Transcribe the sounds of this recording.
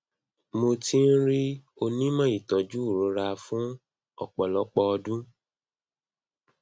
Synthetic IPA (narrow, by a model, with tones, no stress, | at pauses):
mo˧ti˦n̩˦ɾi˦ | o˧nĩ˦mã˦i˨tɔ̃˨d͡ʒu˦˨ɾo˨˦ɾa˧fũ˦ | ɔ̰˦˨k͡pɔ˨lɔ˨˦k͡pɔ˧ɔ˧dũ˦